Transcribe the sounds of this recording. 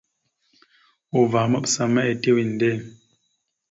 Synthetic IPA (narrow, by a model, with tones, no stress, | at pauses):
u˨va˨mə˦psa˦˨mɛ˦e˨te˦wi˨n̩˨de˦˨